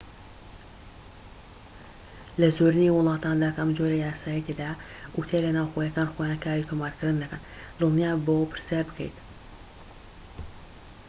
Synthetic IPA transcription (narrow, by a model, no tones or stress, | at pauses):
lɐzoɾɨniwʊlˠɑːt̪ʰaːnd̪akəmd͡ʒoɾɐjaːsaːjɛt̪ʰed̪a | ʔut̪ʰelɐnaːwxojɐkaːnxoːjaːnkʰaːɾit̪ʰomaːɾkʰɨɾd̪ɨnd̪ɐkən | d̪ɨlˠnijaːbowpʰɨɾsjaːɾbɨkʰḛjt̪